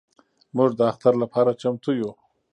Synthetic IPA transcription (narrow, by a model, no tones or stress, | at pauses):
muʐd̪əaxt̪aɾlapʰɑɾat͡ʃamt̪uju